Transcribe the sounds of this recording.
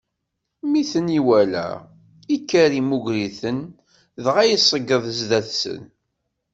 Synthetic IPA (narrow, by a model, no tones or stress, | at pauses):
miθəniwælæ̰ | ikːæɾimuɡɾiθən | ðʁæjəsˤəɡːəðˤəzðæθsə̰n